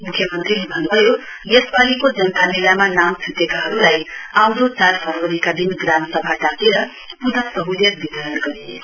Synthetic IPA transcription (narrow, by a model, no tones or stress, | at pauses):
mukʰjʌmʌnt̪rilebʱʌnːubʱʌjo | jesbalikod͡zʌnt̪anilamanamt͡sʰut̪ekaɦʌɾulajawd̪ot͡sarpʰʌɾʌɾikad̪inɡramsʌbʱaʈak̪eɾʌ | pud̪asʌɦud̪ʌkbit̪aɾʌnɡʌɾie